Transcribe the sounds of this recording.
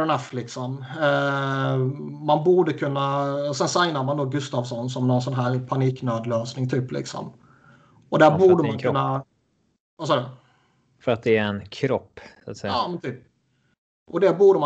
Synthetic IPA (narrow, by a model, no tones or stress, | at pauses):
naflɪksɔm | manbuːɖəkʰɵnːaɔsɛnsajnaɾmand̪oːɡɵst̪ɑːvsɔnsɔmnɔnsɔnɦæːɾpʰaniːknøːd̪løːsnɪŋt̪ʰyːplɪ̰ksɔ̰m | ɔd̪æɾbuːɖəmankkɵnːa | vasɑːd̪ə | fœɾat̪̚d̪ɛːɾɛnkʰɾɔpːsat̪sɛjɑːmɛnt̪ʰyːp̚ | ʔɔd̪æbuːɖəma